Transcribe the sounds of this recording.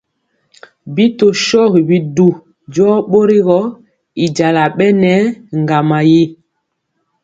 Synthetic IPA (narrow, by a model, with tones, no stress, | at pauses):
bi˦to˨ʃɔ˦ɣbi˨du˨ | d͡ʒɔ˦ɓo˦ɾi˦ɣɔ˦ | i˨d͡ʒa˨la˨ɓɛ˦nɛ˨˦ŋɡa˨ma˨je˦